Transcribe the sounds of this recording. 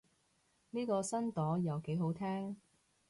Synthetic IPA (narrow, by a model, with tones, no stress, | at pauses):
niː˥kɔː˧sɐ˥nt̪ɔː˨˥jɐ˨wke˨˥jɦo˨˥wt̪ʰɛː˥ŋ